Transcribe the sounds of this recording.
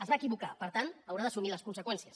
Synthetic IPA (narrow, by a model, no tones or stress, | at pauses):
əzβaːkiβukapəɾt̪ant̪əwɾaðəsumiləskunsəkwɛnsiəs